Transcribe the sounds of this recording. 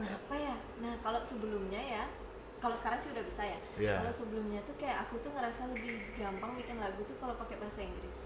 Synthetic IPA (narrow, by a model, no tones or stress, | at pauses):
əŋapaja | nahkalosəbəlʊmɲaja | kalosə̥kaɾaŋsiudahbisaja | kalosəbəlʊmɲat̪ukajaʔakut̪uŋəɾasaləbihɡampaŋmik̪ɪŋlaɡut̪ʊhkalopakebaɦasaiŋɡɾɪs